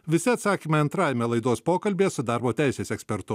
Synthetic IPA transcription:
ʋʲɪsʲɪɐt̪sɑːkʲiːmʲɛɐnt̪ɾɑːjɛmʲɛlˠɐɪd̪oːspoːkɐlʲbʲeːsʊd̪ɑˑɾboːt̪ʲæˑɪsʲeːsɛksʲpʲɛɾt̪ʊ

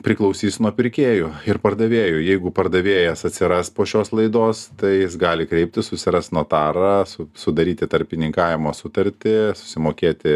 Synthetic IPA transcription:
pʲɾʲɪklˠɐʊsʲiːsʲnuɔpʲɪɾʲkʲeːjʊɪrpɐrd̪ɐʋʲeːjʊjɛɪɡʊpɐrd̪ɐʋʲeːjɛsɐt̪ʲsʲɪɾɐspoːʃʲoːslˠɐɪd̪oːst̪ɐɪjɪsɡɑːlʲɪkɾʲɛɪp̚ʲt̪ʲɪsʊsʲɪɾɐst̪nuɔt̪ɑːɾɐsʊsʊd̪ɐɾʲiːt̪ʲɪt̪ɐɾʲpʲɪnʲɪŋkɑːʋʲɪmoːsʊt̪ɐɾʲt̪ʲɪsʊ̥sʲɪmoːkʲeːt̪ʲɪ

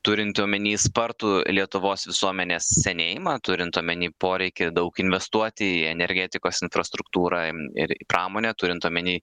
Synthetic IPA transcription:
t̪ʊɾʲɪnt̪uːmʲɛnʲiːspɐɾt̪uːlʲiɛt̪ʊʋoːsʋʲɪsuɔmʲɛnʲeːssʲɛnʲeːjɪmɑt̪ʊɾʲɪnt̪uɔmʲɛnʲiːpoːɾʲɛɪkʲɪd̪ɐʊkɪnʲʋʲɛst̪uɔt̪ʲɪiɛnʲɛɾʲɡʲæːt̪ʲɪkoːsɪnfɾɐst̪ɾʊkt̪uːɾɑɪ̰ɾɪ̰pɾɑːmoːnʲɛːt̪ʊːɾʲɪnt̪uɔmʲɛnʲiː

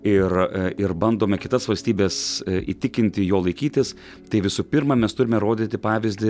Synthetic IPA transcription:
ɪrɪɾbɐnd̪oːmʲɛkʲɪt̪ɐsʋɐlʲsʲt̪ʲiːbʲeːsḭːt̪ʲɪkʲɪnʲt̪ʲɪjoːlˠɐɪkʲiːt̪ʲɪs | t̪ɐɪʋʲɪsʊpʲɪɾmɐmʲɛst̪ʊɾʲɪmʲɛɾoːd̪ʲit̪ʲɪpɑːʋʲɪzʲd̪ʲɪ

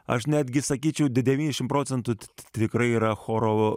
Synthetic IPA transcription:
ɐ̰ʃnʲɛd̪ʲɡʲɪsɐkʲiːt͡ʃʲɛʊd̪ʲd̪ʲɛʋʲiːnʲɛʃʲɪmpɾoːt̪sʲɛnt̪ʊt̪ʲʋʲɪkɾɐɪiɾɐxoɾoo

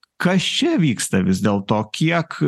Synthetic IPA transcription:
kɐst͡ʃʲɛʋʲiːkst̪ɐʋʲɪzʲd̪ʲeːlˠt̪oːkʲiɛk

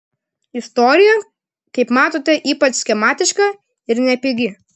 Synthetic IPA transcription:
ɪst̪ɔːɾʲɪjɛ | kɐɪpmɑːt̪oːt̪ʲɛʔiːpɐt͡ʃsʲkʲɛmɑːt̪ʲɪʃkɐ | ɪɾnʲɛpʲɪɡʲɪ

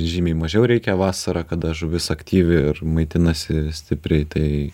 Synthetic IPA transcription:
ʒʲiːmʲɛɪmɐʒʲɛʊɾʲɛɪkʲɛʋɑːsɐɾɑːkɐd̪ɐʒʊʋʲɪsɐkt̪ʲiːʋʲɪɪrmɐɪt̪ʲɪnɐsʲɪsʲt̪ʲɪpʲɾʲɛɪt̪ɐɪ

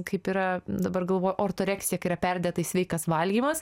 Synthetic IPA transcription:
kɐɪpiɾɐd̪ɐbɐrɡɐlˠʋoːjʊʔoːrt̪oːɾʲɛːksʲɪjɛkɐɪɾɐpʲɛɾʲd̪ʲɛːt̪ɐisʲʋʲɛɪkɐsʋɐlʲɡʲiːmɐs

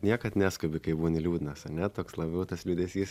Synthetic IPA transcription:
nʲiɛkɐt̪nʲæːskʊbʲɪkɐɪbuːʋɔnʲɛlʲuːdʲɪnɐsɐnʲɛt̪oːkslˠɐbʲɛʊt̪ɐslʲud̪ʲɛsʲiːs

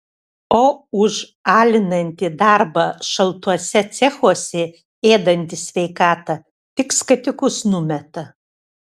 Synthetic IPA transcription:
oːʊʒ | ɑːlʲɪnɐnʲt̪ʲɪd̪ɑɾbɐʃɐlˠt̪uɔsʲɛt̪sʲɛxuɔsʲɛ | eːd̪ɐnʲt̪ʲɪsʲʋʲɛɪkɑːt̪ɐ | t̪ʲɪkskɐt̪ʲɪkʊsnʊmʲɛt̪ɐ

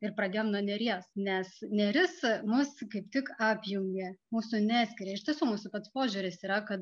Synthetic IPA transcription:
ɪrpɾɐd̪ʲeːjoːmnuɔnʲɛɾʲiɛsnʲɛsnʲɛɾʲɪsmʊskɐɪpt̪ʲɪkɑːpʲjʊŋʲɡʲɛmuːsʊnʲæːsʲkʲɪɾʲeːɪʃʲt̪ʲiɛsuːmuːsʊpɐt̪spoːʒʲʊːɾʲɪsiːɾɐkɐt̪

